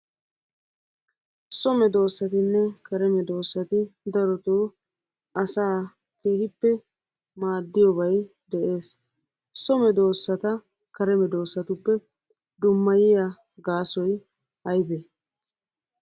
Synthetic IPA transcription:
sɔmɛd̪o̞ːsːɐt̪ɪnːɛkɐɾɛmɛd̪o̞ːsːɐt̪ɪd̪ɐɾɔt̪oː | ɐsaː | keːhɪpːɛ | maːd̪ːɪjɔbɐj | d̪ɛʔe̞ːs | sɔmɛd̪o̞ːsːɐt̪ɐ | kɐɾɛmɛd̪o̞ːsːɐt̪ʊpːɛ | d̪ʊmːɐjɪja | ɡaːsɔj | hɐjbe

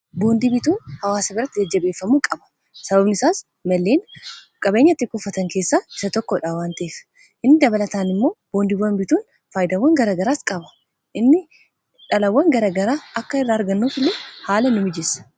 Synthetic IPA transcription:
bo̞ːnd̪ibɪt̪uːnhɐwaːsɐbɪrɾːɐt̪ːɪd͡ʒɐd͡ʒːɐbe̞ːfːɐmuːkʼɐbɐ̥ | sɐbɐbnɪsaːs | mɐlːeːn | kʼɐbe̞ːɲːɐt̪ːɪkʊfːɐt̪ɐŋke̞ːsːaːɪ̥sɐt̪ɔkːɔᶑaːwaːnt̪ɐʔeːf | ʔɪnːɪd̪ɐbɐlɐt̪aːnɪmːo̞ːb̥o̞ːnd̪ɪbɐnbɪt̪uːn | faːjɪd̪ɐwːɐŋɡɐɾaːɡɐɾaːskʼɐbɐ̥ | ʔɪnːɪ | ᶑɐlɐwːɐŋɡɐɾaːɡɐɾaːɐkːɐɪrːaːɾɡɐnːuːfɪlːeːhaːlɐnʊmɪd͡ʒɛsɐ̥

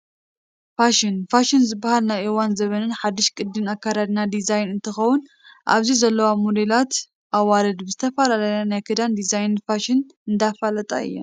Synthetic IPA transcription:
faʃɪnfaʃɪnzɨbːahalnajʔɨwanzɐβɐnɨnħad̪ːɨʃkʼɨd̪ːɨnakʰːaɾad̪nad̪izajnɨnt̪ʰɨxɐwun | ʔa̰βzizɐlːɐwamod̪elat̪ | ʔaβːalɐd̪bɨzɨt̪ʰɐfalalajanajkʰɨd̪and̪izajnfaʃɪn | ɨnd̪afalɐt̪ʼa̰ɨ̰jːom

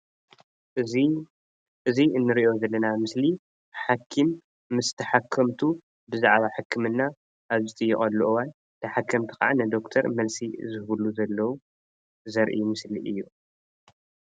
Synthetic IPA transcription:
ʔɨziɨnːɨɾiʔo̞zɐlːɐnamɨsli | ħakʰːimː | ɨst̪ʰɐħakʰːɐmt̪ʰu | bɨzaʕβaħakʰːɨmɨnːa | ʔaβzɨt̪ʼɨjːɪχʼɐlːuʔɨwan | t̪ʰɐħakʰːɐmt̪ʰɨka̰ʕanɐd̪o̞kt̪ʰɐɾmɐlsizɨhɨβuluzɐlːɐwu | zɐɾʔḭmɨsliʔɨjːu

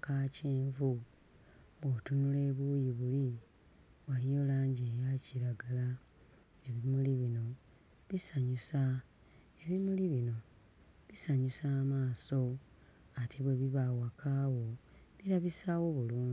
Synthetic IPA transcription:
kaceːɱvu | βwotunule̞ːβujiβuli | βwalijo̞laːɲɟejaciɾaɡala | e̞βimuliβino̞ | βisaɲusa | e̞βimuliβino̞ | βisaɲusaːmaːso̞atʰe̞βweβiβawakʰaːwo̞ | βiɾaβisaːwo̞βuluːɲi

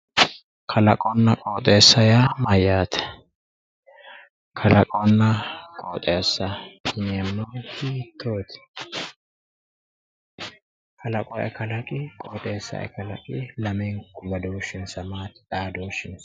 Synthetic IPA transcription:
kʰɐlɐkʼɔnːɐkʼoːt̪ʼe̞ːsːɐjamɐjaːt̪ʰɛ̥ | kʰɐlɐkʼɔnːɐkʼo̰ːt̪ʼeːsːɐɪnɐmnɐːt̪ːɪt̪ʰːoːt̪ɪ̥ | kʰɐlɐkʼɔʔɛ̰kɐlɐkʼɪkʼoːt̪ʼeːsːɐ̰ʔɛ̰kɐlɐ̰kʼɪlɐmɛŋkːʊbɐd̪oːʃːɪnsɐmaːt̪ᶑ̪aːd̪oːʃɪns

